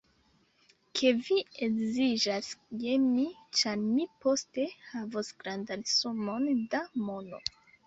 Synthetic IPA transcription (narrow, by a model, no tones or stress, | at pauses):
kʰe̞vieɡzid͡ʒasjemit͡ʃaɾmipo̞ste̞havosɡɾandansomo̞ndamo̞no̞̰